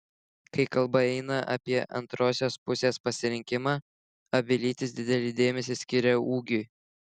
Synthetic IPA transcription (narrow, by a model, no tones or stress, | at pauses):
kɐɪkɐlˠbɐɛɪnɐʔɐ̰pʲiɛʔɐ̰nt̪ɾoːsʲoːspʊsʲeːspɐsʲɪɾʲɪŋʲkʲɪmɑː | ɐbʲɪlʲiːt̪ʲɪsd̪ʲɪd̪ʲɛlʲɪd̪ʲeːmʲɛsʲɪsʲkʲɪɾʲɛuːɡʲʊɪ